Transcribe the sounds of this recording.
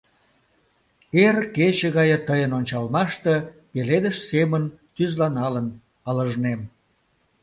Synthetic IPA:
erket͡ɕəɣɑjət̪əjənonʲt͡ɕɑlmɑʃt̪epeled̪əʃsemənt̪yzlɑnɑlən | ɑləʒnem

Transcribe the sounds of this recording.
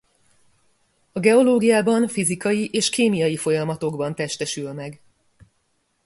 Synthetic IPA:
ɒɡɛo̞loːɡijaːbɒɱfizikɒjiʔeːʃkeːmijɒjifo̞jɒmɒt̪o̞ɡbɒnt̪ɛʃt̪ɛʃylmɛɡ

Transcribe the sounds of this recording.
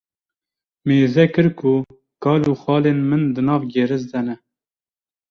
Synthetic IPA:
meːzɛkɨɾkʰʊ | kɑːluːxɑːleːnmɨnd̪ɨnɑːvɡeɾɨzd̪ɛnɛ

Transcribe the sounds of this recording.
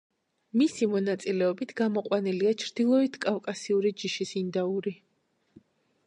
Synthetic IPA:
misimɔnat̪sʼilɛɔbit̪ʰɡamɔqʼwaniliat͡ʃʰɾd̪ilˠɔit̪ʰkʼafkʼasiuɾid͡ʒiʃisind̪auɾi

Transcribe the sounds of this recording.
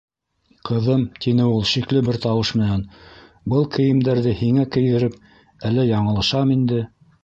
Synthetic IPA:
qʰɤ̆ðɤmt̪inɘulˠʃiklɘbɘɾt̪ɑwɤʃmɘ̆næn | bɤlˠkɘ̆jɘ̆md̪æɾðɘhiŋækɘ̆jðɘ̆ɾɘp̚ | ælːæjɑɴɤ̆lˠɑʃɑmind̪ɘ

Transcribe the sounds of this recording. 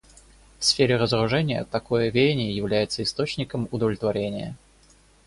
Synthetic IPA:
fsfʲeɾʲɪɾəzɾʊʐɛnʲɪjə̰t̪ɐko̞jəvʲedʲɪnʲɪjəjɪvlʲæjɪt̪səɪst̪ot͡ɕnʲɪkəmʊd̪əvlʲɪt̪vɐɾʲenʲɪjə̰

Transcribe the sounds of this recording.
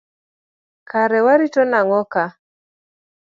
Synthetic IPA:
kaɾɛwaɾitɔnaŋɔka

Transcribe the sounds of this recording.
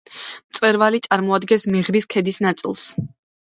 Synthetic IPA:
mt̪sʼwɛɾvalit̪sʼaɾmɔad̪ɡɛnsmɛʁɾiskʰɛd̪isnat̪sʼḭlˠs

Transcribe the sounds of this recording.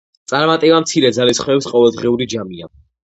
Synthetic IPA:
t̪sʼaɾmat̪ʼivamt̪sʰiɾɛd̪zalisχwɛːpsqʼɔvɛlˠd̪ʁiuɾid͡ʒamia

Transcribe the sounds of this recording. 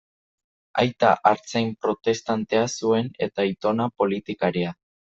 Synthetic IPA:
ajt̪aʔaɾt͡sejmpɾo̞t̪e̞st̪ant̪e̞asue̞ne̞̰t̪ait̪o̞napo̞lit̪ikaɾia

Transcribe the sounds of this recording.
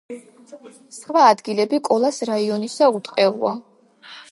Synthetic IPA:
sχvaːd̪ɡilɛbikʼɔlˠasɾaiɔnisaut̪ʼqʼɛṵa

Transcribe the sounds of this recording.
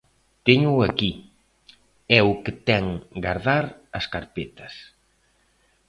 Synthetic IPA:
t̪eɲʊaki | ɛʊkɪt̪ɛŋɡaɾðaɾɐskaɾpet̪ɐs

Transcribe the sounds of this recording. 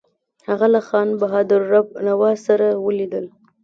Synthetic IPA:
haɣalaxɑnbaɦɑd̪ɪɾɾab̚nawɑsaɾawəlid̪əl

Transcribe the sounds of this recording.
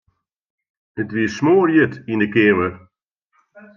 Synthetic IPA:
ətʋiəsmoːrjətindəkɪəwər

